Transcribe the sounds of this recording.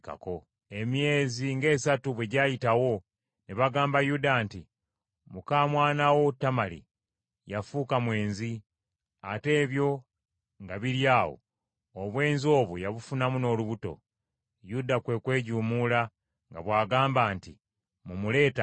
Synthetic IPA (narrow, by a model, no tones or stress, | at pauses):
ka̰ko̞ | e̞mje̞ːziŋɡe̞ːsatuβwe̞ɟaːjitawo̞ | neβaɡaːmbajudaːnti | mukaːmwaːnawo̞tːamalḭ | jafuːkamwe̞ːnzi | a̰te̞ːβjo̞ | ŋɡaβiɾjaːwo̰ | oβwe̞ːnzio̞ːβujaβufunamuno̞ːluβuto̞̰ | judakwe̞kwe̞ːɟuːmula | ŋɡaβwaːɡaːmbaːnti | mumule̞ːta